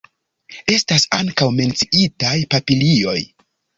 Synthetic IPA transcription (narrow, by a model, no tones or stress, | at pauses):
e̞stasa̰ŋkawme̞nt͡siitajpapilio̞̰j